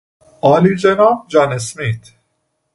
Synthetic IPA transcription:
ɒːlid͡ʒenɒːmd͡ʒɒːnesmiːt̪ʰ

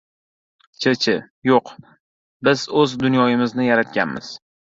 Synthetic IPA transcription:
t͡ʃʰet͡ʃʰɪ | joq | bɪzɵzd̪ʊnjɒjɪmɪznɪjaɾat̪̚ɡʲa̰nmɪ̰z̥

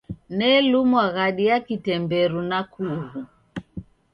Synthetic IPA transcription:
nɛlumwaɣaɗiakitɛmbɛɾunakʰuɣu

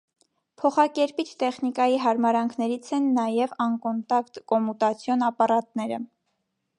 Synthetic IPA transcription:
pʰɔχɑkɛɾpit͡ʃʰt̪ɛχnikɑjiɦɑɾmɑɾɑŋkʰnɛɾit͡sʰɛnːɑjɛvɑŋkɔnt̪ɑkt̪kɔmut̪ɑt͡sʰjɔnɑpɑɾɑt̪nɛɾə̰

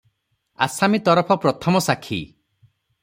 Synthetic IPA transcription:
a̰samit̪ɔɾɔpʰɔpɾɔt̪ʰɔmɔsakʰḭ

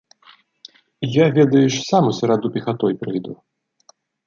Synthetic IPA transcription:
javʲɛd̪ɐjuʂsamusʲɛɾad̪upʲixat̪ɔjpʲɾɨjd̪u

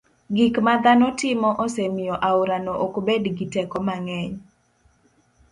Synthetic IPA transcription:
ɡikmad̪anɔtɪmɔʔɔsɛmɪjɔʔaʊɾanoʔokbedɡitɛkɔmaŋɛɲ

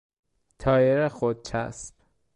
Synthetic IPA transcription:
t̪ʰɒːjeɾexod̪̚t͡ʃʰæ̰sp

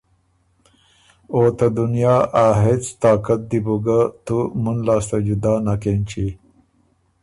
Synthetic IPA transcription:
oːt̪ɐd̪unjaːʔaːɦet͡st̪aːkɐt̪̚d̪ibuɡat̪umunlaːst̪ɐd͡ʒud̪aːnakent͡ɕi

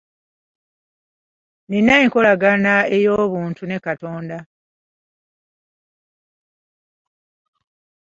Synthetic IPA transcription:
ninːaiŋko̞laɡanae̞jo̞ːβuːntune̞kato̞ːnda

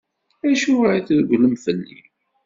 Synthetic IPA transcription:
æʃʊiθðəɡləmθəlːḭ

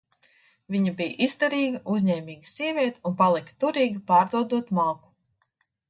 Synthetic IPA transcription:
vʲiɲabijʔist̪aɾiːɡaʔuzɲɛːmʲiːɡi̥siɛvʲiɛt̪unpalˠikt̪uɾiːɡʲipaːɾd̪uɔd̪uɔt̪malˠku̥

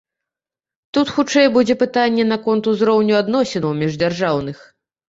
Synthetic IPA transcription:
t̪ut̪xut͡ʂɛjɛbud͡zʲɛpɨt̪anʲːɛn̪ɐkɔnt̪uzɾɔwnʲuad̪nɔsʲɛnɐwmʲɛʐd͡zʲarʐawn̪ɨx

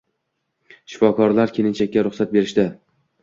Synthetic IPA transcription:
ʃɪ̥fɒkʰɒɾlaɾkʲʰe̞lɪnt͡ʃʰakʲːaɾʊχsat̪̚be̞ɾɪʃt̪ɪ

